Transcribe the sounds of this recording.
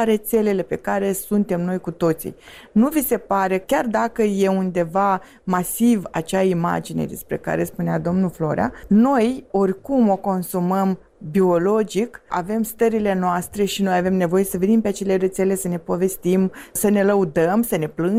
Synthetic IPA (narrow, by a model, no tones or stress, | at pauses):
ɾe̞t̪se̞le̞le̞pe̞kaɾe̞sunt̪e̞mno̞jkut̪o̞t̪sḭnuvise̞paɾe̞kʲard̪akəje̞und̪e̞va | masiva̰t͡ʃaima̰d͡ʒine̞̰d̪e̞̰spɾe̞̰ka̰ɾe̞spunead̪o̞mnulflo̞ɾʲa̰no̞jo̞rʲkumo̞ko̞nsuməm | bio̞lo̞d͡ʒika̰ve̞mst̪əɾile̞noast̪ɾe̞ʃino̞jave̞mne̞vo̞je̞səve̞nimpe̞at͡ʃe̞le̞ɾe̞t̪sele̞səne̞po̞ve̞st̪imsəne̞ləud̪əmsəne̞plɨn